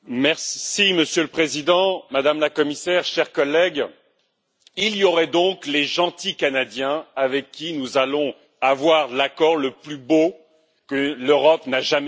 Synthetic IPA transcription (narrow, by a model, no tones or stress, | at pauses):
mɛʁiməsjøləpχezid̪ɑ̃mad̪amlakɔmisɛʁʃɛʁkɔlːɛɡ | iljɔʁɛd̪ɔ̃kleʒɑ̃t̪ikanad̪jɛ̃avɛkːinuzalɔ̃ | avwaʁlakɔʁləplybo | kəløʁɔpnaʒam